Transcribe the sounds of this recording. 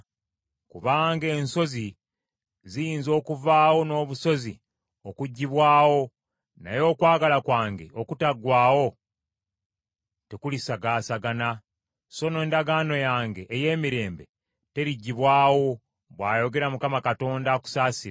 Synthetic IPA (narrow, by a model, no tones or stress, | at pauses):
kuβaːŋɡe̞ːnso̞zi | zijiːnzo̞ːkuvaːwo̞no̞ːβuso̞zi | o̞kuɟːiβwaːwo̞ | na̰jo̞ːkwaːɡalakwaːŋɡe̞̰okutaɡwaːwo̞ | tekulisaɡaːsaɡana | so̞ne̞ːndaɡaːno̞jaːŋɡe̞ʔːje̞ːmiɾe̞ːmbe̞̰ | te̞ɾiɟːiβwaːwo̞ | βwaːjo̞ɡe̞ɾamukamakato̞ːndaku̥saːsiɾa